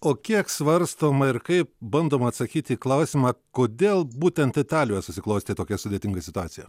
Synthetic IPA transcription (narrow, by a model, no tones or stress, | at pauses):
oːkʲiɛksʋɐɾst̪oːmɐɪɾkɐɪp̚bɐnd̪oːmɐːt̪sɐkʲiːt̪ʲiːklˠɐʊsʲiːmɑːkoːd̪ʲeːlˠbuːt̪ʲɛnt̪ɪt̪ɑːlʲojɛsʊsʲɪklˠɐʊsʲt̪ʲɪt̪oːkʲɛsʊd̪ʲeːt̪ʲɪŋɡɐsʲɪt̪ʊɑːt̪ʲɪjɛ